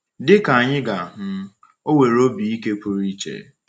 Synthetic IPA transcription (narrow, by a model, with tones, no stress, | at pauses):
dɪ˦ka˨a˨ɲɪ˦ɡa˨ɦ̩˨ | o˦we˨ɾo˦bi˨i˦ke˦kʷʊ˦ɾi˦t͡ʃḛ˨